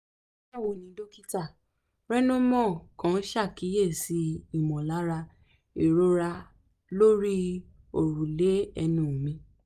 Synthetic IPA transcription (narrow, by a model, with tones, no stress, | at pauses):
a˦˨wo˨nĩ˨˦do˦ki˦ta˦˨ | ɾɛ˦nõ˦mɔ̃˦˨kã˨˦ʃa˦˨ki˨˦je˦˨si˨˦i˦˨mɔ̃˨la˨˦ɾa˧ | i˨ɾo˧˦ɾa˧ | lo˦ɾi˦ | o˨ɾu˨le˨˦ɛ˧nũ˨mĩ˧˦